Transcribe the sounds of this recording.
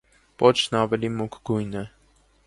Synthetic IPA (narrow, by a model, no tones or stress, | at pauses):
pɔt͡ʃʰnɑvɛlimukʰɡ̥ujnɛ